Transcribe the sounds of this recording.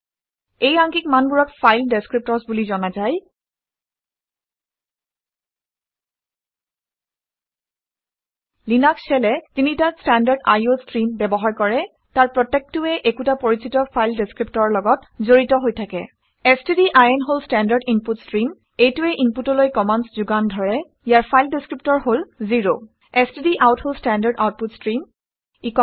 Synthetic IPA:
ejaŋkikmanbuɹɔkfʰajldeskɹip̚tɔɹsbulizɔnazaj | linaksɛlɛzinitastandaɹda̰jostɹinbɛbɔɦaɹkɔɹɛ | taɹpɹɔtːɛk̚tʊɛʔekutapoɹisitɔfʰajldeskɹip̚tɔɹɔlɔɡɔtzoɹitɔɦojtʰakɛ̰ | ɛstidiʔajɛnɦolstandaɹɖimputskɹim | ejtuɛʔimputɔlojkɔmanszuɡandʱɔɹɛ | ijaɹpʰajldiskɹip̚tɔɹɦolziɹo | ɛstidiʔawtholstandaɹɖawt̚putskɹim | ikɔ

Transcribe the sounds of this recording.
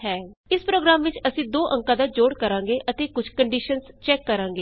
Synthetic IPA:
ɦɛːɪspɾoːɡɾaːmʋɪt͡ʃəsĩːd̪oːʔə̃ŋkaːd̪aːd͡ʒoːɽkəɾãːŋɡeːʔət̪eːkʊd͡ʒʱkəɳɖiːʃənst͡ʃɛːkːəɾãːŋɡeː

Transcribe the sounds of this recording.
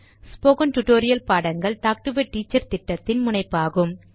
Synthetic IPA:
spoːkɐnʈʊʈoːɾɪjɐlpaːɽɐŋɡɐɭt̪aːk̚ʈɯʋɐʈːiːt͡ʃːɐɾt̪ɪʈːɐt̪ːɪnmʊnɐɪpːaːɣɯm

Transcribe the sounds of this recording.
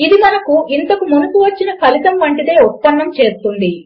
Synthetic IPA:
id̪imɐnɐkuʔint̪ɐkumunukuʋɐt͡ʃːinɐkʰɐlit̪ɐmʋɐɳʈid̪e̞ːut̪̚pːɐnːɐmt͡ʃe̞ːst̪und̪i

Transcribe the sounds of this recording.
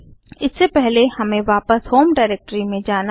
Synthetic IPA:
ɪsːepɛɦlehɐmẽʋaːpəshoːmɖaːɪɾɛk̚ʈɾimẽd͡ʒaːna

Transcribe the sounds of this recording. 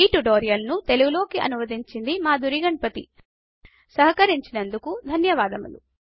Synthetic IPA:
iːʈuʈoːɾijɐlnut̪e̞luɡulo̞ːkiʔɐ̰nuʋɐd̪iɲt͡ʃind̪imaːd̪ʱuɾiɡɐɳpɐt̪ḭ | sɐɦɐkɐɾiɲt͡ʃinɐnd̪ukud̪ʱɐnjɐʋaːd̪ɐmṵlṵ

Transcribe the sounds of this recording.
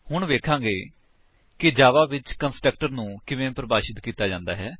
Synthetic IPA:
hʊɳʋeːkʰãːɡeː | kɪd͡ʒaːʋaːʋɪt͡ʃkənsʈɾək̚ʈəɾnũːkɪʋẽːpɾəbaːʃɪt̪kiːt̪aːd͡ʒãːnd̪a̰ːɦɛː

